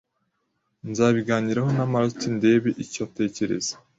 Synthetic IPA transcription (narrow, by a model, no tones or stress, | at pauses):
nzaːβiɡaːɲiɾaho̞namaɾatinde̞βeʔicate̞ːce̞ɾḛzḁ